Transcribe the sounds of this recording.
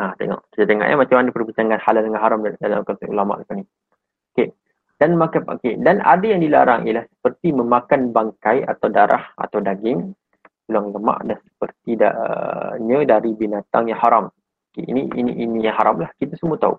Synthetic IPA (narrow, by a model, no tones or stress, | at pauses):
ʔat̪ḛŋɔ̰ʔkit̪at̪eŋɔ̰ʔjʔa̰mat͡ʃamandipərbit͡ʃaŋanhalaldəŋanɦaɾamdala̰mkɔnt̪aulama̰ʔdəpani | oke | d̥anmakaokedana̰dəjaŋdila̰ɾa̰ŋʔḭlahsə̥pərt̪iməmakanbaŋkaja̰t̪awdaɾʔa̰ha̰t̪awdaɡɪŋ | t̪ulaŋləma̰ʔdansə̥pərt̪ida̰ə̰ɲədaɾibinat̪aŋjaŋhaɾam | okḛḭniinḭʔinijaŋɦaɾamlahkit̪asəmut̪aṵ